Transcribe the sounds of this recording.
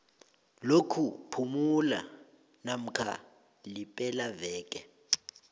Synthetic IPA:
lokʰupʰumula̰ | nam̩kʰa̰ | lipʼɛlavɛːkʼɛ

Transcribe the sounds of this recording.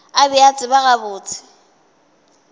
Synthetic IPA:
abɪat͡sʼɪbaɣabʊːt͡sʰɪ̥

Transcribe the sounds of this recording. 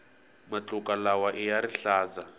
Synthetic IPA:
mat͡ɬʼukalawaʔijaɾiɬaːza

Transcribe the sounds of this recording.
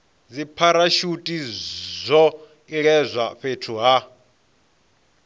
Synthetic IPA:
d͡zipʰaɾaʃutʼizʷɔ | iɺɛzʷaɸetʰuɦa

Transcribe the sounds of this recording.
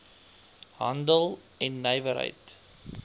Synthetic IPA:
ɦɐndəlˠ | ɛnːəjvəɾɦə̰jt

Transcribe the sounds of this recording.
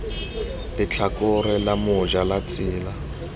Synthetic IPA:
lɪt͡ɬʰakʊrɪlamʊʒalat͡sʼiːla

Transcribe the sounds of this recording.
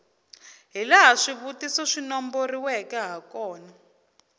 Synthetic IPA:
ɦilaɦaʂiβutisɔʂinɔmboriwɛkɛɦakɔːna

